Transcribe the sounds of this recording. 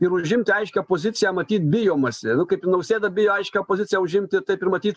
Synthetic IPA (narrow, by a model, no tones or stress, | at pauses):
ɪɾʊʒʲɪmʲt̪ʲɪɐɪʃʲkʲɛpoːzʲɪt͡s̪ʲɪjɛæmɐt̪ʲiːt̪̚bʲɪjoːmɐsʲɪnʊkɐɪpɪnɐʊsʲeːd̪ɐbʲɪjoːɐɪʃʲkʲɛopoːzʲɪt͡sʲɪjɛæʊʒʲɪmʲt̪ʲɪt̪ɐɪpɪɾmɐt̪ʲiːt̪